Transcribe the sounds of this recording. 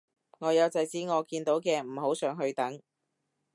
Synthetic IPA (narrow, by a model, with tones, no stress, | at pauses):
ŋɔː˨˧jɐ˨˧wt͡sɐ˨˧jt͡siː˨˥ŋɔː˨˧kiː˧nt̪o˨˥wkɛː˧m̩ː˨˩ho˨˥wsœː˨˧˥ŋɦɵ˧ɥt̪ɐ˨˥ŋ